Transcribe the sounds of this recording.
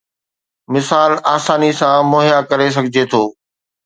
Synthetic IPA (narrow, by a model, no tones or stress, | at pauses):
mɪsaːlaːsaːnisãmʊːɦɪjakɐɾes̬ɐɡʱɪd͡ʑet̪ʰoː